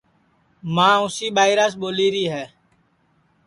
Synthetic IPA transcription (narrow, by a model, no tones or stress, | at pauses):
mãːʊsiːɓaːɪɾaːsɓoːliːɾiːɦɛː